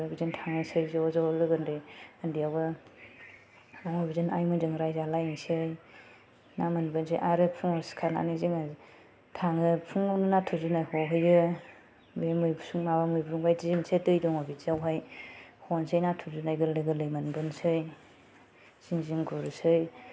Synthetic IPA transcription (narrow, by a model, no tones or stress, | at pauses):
abizɯntʰaŋɯsɯjzeɔzalɯɡɯndɯəndijabɯ | aŋɔbizɯnajmɯzɯŋɾajzalajnsɯj | namanbɯnsʰɯ̰jʔaɾɯpʰuŋɔskʰana̰niziŋa | tʰaŋɯpʰuŋɔwnɯnatʰuzunajhɔwɦɯjɡɯ | bemɯjbusuŋmabamɯjbuuŋbajzizimsetɯjdɔŋɔbizawɦajhɔnsɯjnatʰuzunajɡɯlɯɡɯlɯjmanbɯnsɯj | z̥iŋziŋɡuɾusɯj